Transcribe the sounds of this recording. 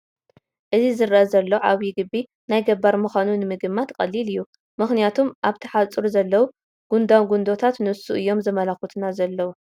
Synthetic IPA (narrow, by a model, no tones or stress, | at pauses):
ʔɨzizɨɾʔazɐlːoʕaβiɡɨbːi | najɡɐbːaɾmɨxʷanunɨmɨɡɨmːat̪kʼɐ̰lːilɨjːu | mɨxnijat̪ʰumʔaβt̪ʰɐ̥ħat͡sʼɨɾuzɐlːɐwu | ɡ̥und̪awɡund̪o̞t̪ʰat̪nɨwsṵʔɨjːo̞mzɨmɐlaxut̪ʰunazɐlːɐwu